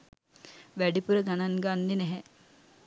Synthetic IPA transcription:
ʋæɖipuɾəɡanaŋɡanːinɛɦɛ

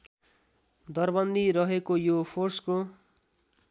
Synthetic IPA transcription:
d̪ʌrbʌnd̪iɾʌɦekojopʰorsko

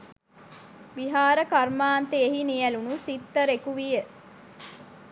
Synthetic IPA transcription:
ʋiɦaːɾəkarmaːnt̪eeɦinijælunusit̪ːəɾekuʋijə

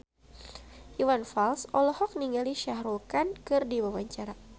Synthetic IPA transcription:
ʔiwanfalsɔlɔhɔk̚niŋaliʃahɾukankɨrdiwawaɲt͡ʃaɾa

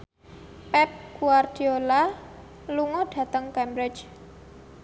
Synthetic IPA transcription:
pɛp̚ɡ̥uard̪̥i̤ola | luŋɔɖ̥ä̤t̪əŋkɛmbɾɪd͡ʒ

